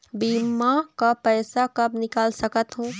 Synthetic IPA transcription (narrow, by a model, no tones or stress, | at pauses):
biːmːakapɛːsakɐbnɪkaːlsəkət̪ɦũː